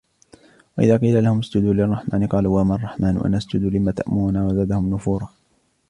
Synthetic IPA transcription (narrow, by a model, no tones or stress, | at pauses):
waʔɪðaːqiːlalahʊmʊsd͡ʒʊd̪uːlɪrˤːɑħmʔaːnɪqɑːluːwaːmaːɑrˤːɑħmaːnʊ̰ʔa̰naʔasd͡ʒʊd̪uːlɪmaːt̪aʔmʊɾʊnaːwazaːd̪ahʊmnʊfuːɾˤɑː